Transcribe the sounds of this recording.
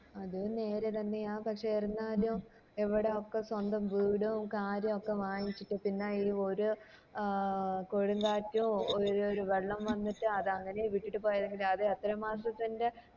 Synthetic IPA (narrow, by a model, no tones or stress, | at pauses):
ɐðɨne̞ːɾet̪ɐnːɨjaːpɐkʂeerunːaːlum | eʋiɽe̞o̞kːe̞swɐnd̪ɐmʋiːɽukaːɾjɐmokːe̞ʋaːjit͡ɕːiʈːɨpinːaːiːo̞ɾu | koɻuŋɡaːtːjuoɾoɾuʋe̞ɭːɐmʋɐnːiʈːɨɐðɨɐŋːɐne̞jʋiʈːiʈːɨpo̞ːjɐðeŋɡilɐðɨɐt̪ːɾɐmaːsrɐt̪ːinde̞